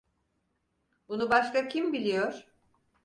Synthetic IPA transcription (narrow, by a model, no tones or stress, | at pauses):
bunubaʃkacʰimbilʲijoɾ̥